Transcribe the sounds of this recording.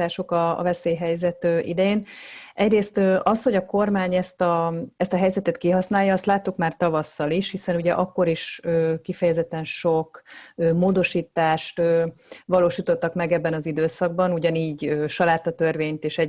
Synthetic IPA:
aːʃo̞kɒ̰ːvɛseːjɦɛjzɛt̪øːʔḭd̪ɛjeːnʔɛɟreːst̪øʔɒsho̞ɟɒko̞rmaːɲɛst̪ɒɛst̪ɒɦɛjzɛt̪ɛt̪kiɦɒsnaːjːɒːst̪laːt̪ːukmaːrt̪ɒvɒsːɒliʃhisɛnuɟɛʔɒkːo̞ɾiʃøːkifɛjɛzɛt̪ːɛnʃokøːmoːd̪o̞ʃiːt̪ːaːʃt̪øːʋɒloːʃiːt̪o̞t̪ːɒkmɛɡɛbːɛnɒzid̪øːsɒɡ̚bɒnuɟɒniːɟøːʃɒlaːt̪ːɒt̪ørveːɲt̪eːʃɛ

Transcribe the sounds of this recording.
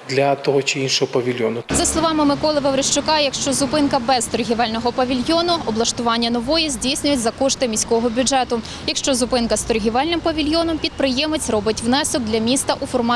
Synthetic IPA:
d̪lʲɐt̪ɔɦɔt͡ʃɪinʃɔɦɔpɐʋʲilʲjɔnʊzɐslˠɔʋɑmɪmɪkɔlˠɪʋɐʋɾɪʃt͡ʃʊkɑjɐkʃt͡ʃɔzʊpɪnkɐbɛzt̪ɔrɦʲiʋɑlʲnɔɦɔpɐʋʲilʲjɔnʊɔblˠɐʃt̪ʊʋɑnʲːɐnɔʋɔjɛzʲdʲijsʲnʲʊjʊtʲzɐkɔʃt̪ɪmʲisʲkɔɦɔbʲʊd͡ʒɛt̪ʊ | jɐkʃt͡ʃɔzʊpɪnkɐst̪ɔrɦʲɪʋɛlʲnɪmpɐʋʲilʲjɔnɔmpʲid̪̚pɾɪjɛmet͡sʲrɔbɪtʲʋwnɛsɔk̚d̪lʲɐmʲist̪ɐʔufɔrmɑ

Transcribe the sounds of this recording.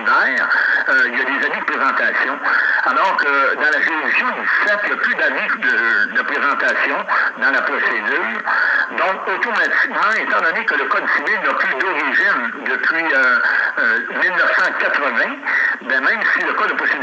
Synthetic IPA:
nɛːʁøiljad̪ezamid̪əpʁezɑ̃t̪asjɔ̃alɔːʁkəd̪ɑ̃laʁelisjɔ̃d̪iisɛt̪ijaplyd̪avid̪əd̪əpʁezɑ̃t̪asjɔ̃d̪ɑ̃lapʁɔsed̪yːʁd̪ɔ̃kot̪omat̪i̥kmɑ̃ɛt̪ɑ̃d̪ɔnekələkɔd̪fivilnɔplyd̪ɔʁiʒind̪əpʰɥiøømilnəfsɑ̃kat̪ʁəvɛ̃bɛ̃mɛ̃msiləkɔd̪əpɔse

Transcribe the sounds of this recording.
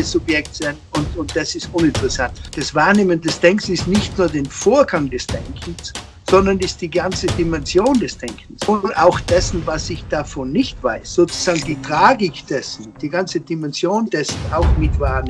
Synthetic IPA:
əsʊpjɛktsɛnʊntʊnt̚d̥asɪstʔʊnɪ̃ntəʁɛsantd̥asv̥aːɐneːməndɛsd̥ɛŋkn̩sɪstnɪçtnuːɐdeːnfoːɐɡaŋdɛsd̥ɛŋkʰn̩s | z̥ɔndɐnɪst̚d̥iːɡant͡sədimɛnzjoːndɛsd̥ɛŋkʰn̩sʊntaʊxd̥ɛsn̩vasɪçd̥afɔnːɪçtv̥a̰ɪsz̥oːt͡su̥z̥aːɡŋ̩diːtʁ̥aːɡɪkd̥ɛsn̩d̥iːɡant͡sədimɛnzjoːndɛsn̩aʊxmɪtv̥aːɐnː

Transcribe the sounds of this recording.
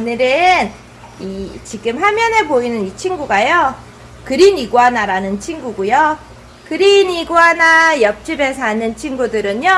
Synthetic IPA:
onɯɾɯn | it͡ɕiɡɯmɸamjʌne̞boinɯnit͡ɕʰinɡuɡajo | kɯɾiniɡwanaɾanɯnt͡ɕʰinɡuɡujo | kɯɾiniɡwanajʌp̚t͡ɕ͈ibe̞sʰʌanɯnt͡ɕʰinɡudɯɾɯɲjo

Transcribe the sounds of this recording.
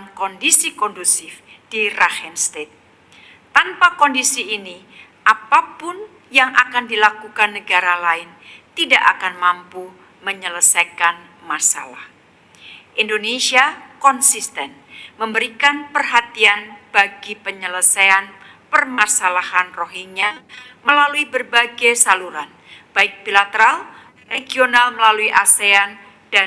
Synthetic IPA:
nkɔndisikɔndusɪfd̥irahɛnst̪et̪̚ː | anpakɔndisiːni | ʔapapʊn | jaŋʔakandilakukanːəɡaɾalaɪnt̪idaʔakanmampu | məɲələsajkan | masa̰la̰h | ʔindonesiakɔnsist̪ɛn | məmbəɾikanpərɦat̪ianb̥aɡipəɲələsajan | pərmasalahanroɦiɲaməlaluibərbaɡajsaluɾan | b̥aɪk̚bilat̪əɾal | reɡionalməlaluiʔasean | d̥a

